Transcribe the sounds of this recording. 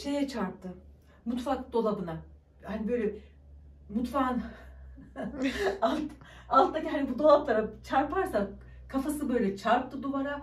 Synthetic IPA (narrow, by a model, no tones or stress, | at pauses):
ʃe̞jɛt͡ʃʰaɾp̚t̪ʰɯ | mut̪fakd̪o̞lˠabɯna | hanibø̞jlʲɛ | mut̪faan | alˠt̪alˠt̪nacʲɦanibud̪olˠat̪ʰːaɾapt͡ʃʰaɾpʰaɾsak | kʰafasɯbø̞jlʲɛt͡ʃʰaɾp̚t̪ʰɯd̪ovaɾa